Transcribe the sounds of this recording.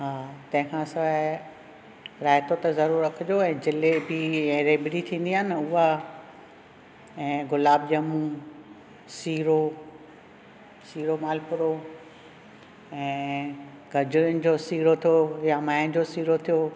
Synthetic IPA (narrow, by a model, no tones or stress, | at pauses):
ɦaːt̪ɐ̃ɦɪ̃kʰãːsɐ | ɾaːɪt̪ʰot̪ɐzɐɾuːɾɾɐkʰɪd͡ʑoɛ̃ːd͡ʑɪlebiɛ̃ːɾeːbɪɾit̪ʰĩːn̆d̪iaːnɪ̆ʊɦa | ɛ̃ːɡʊlaːb̚d͡ʑɐmũ | siːɾo | siːɾomaːlpʊɾo | ɛ̃ː | ɡʱɐd͡ʑʊd͡ʑosiːɾot̪ʰijojamaːjnd͡ʑosiːɾot̪ʰijo